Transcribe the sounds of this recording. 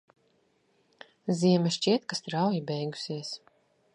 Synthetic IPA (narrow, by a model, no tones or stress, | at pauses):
ziɛmɛʃt͡ʃiɛt̪kast̪ɾawjibɛjɡu̥siɛs